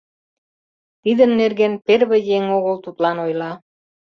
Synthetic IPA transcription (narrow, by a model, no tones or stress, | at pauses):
t̪id̪ənːerɣenperβĕjeŋoɣəlt̪ut̪lɑnojlɑ